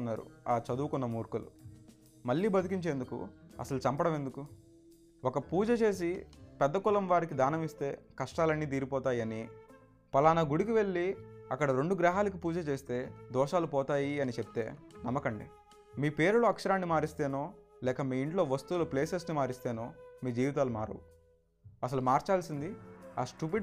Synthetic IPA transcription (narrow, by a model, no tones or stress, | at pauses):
nːaːɾṵaːt͡ʃɐd̪uːkunːɐmuːɾkulṵ | mɐɭːiːbɐd̪ʱukiɲt͡ʃe̞ːnd̪ukṵɐ̰sɐlut͡ʃɐmpɐɽɐme̞nd̪uku | wɔkɐpuːd͡ʒɐt͡ʃe̞ːs̬ipɛd̪ːɐkulɐmʋaːɾikid̪aːnɐmist̪e̞ːkɐʂʈaːlɐnːiːd̪iːɾipɔːt̪aːjɐni | pɐlaːnɐɡuɽik̬iʋe̞ɭːiɐkːɐɽɐɾeɳɖuɡɾaːɦaːlɐk̬ipuːd͡ʒɐt͡ʃe̞ːst̪e̞ːd̪ɔːʃaːlupɔːt̪aːjiɐnit͡ʃep̚t̪e̞ːnɐmːɐkɐɳɖḭ | miːpe̞ːɾuluɐkʂɐɾaːnːimaːɾist̪e̞ːno̞ː | lɛːkɐmiːiɳʈlo̞ːʋɐst̪uːloːpleːseɾsnimaːɾist̪eːnoːmiːd͡ʒiːʋit̪aːluma̰ːɾɐ̰wu | ɐsɐlumaːɾt͡ʃaːlsind̪ia̰ːsʈup̬i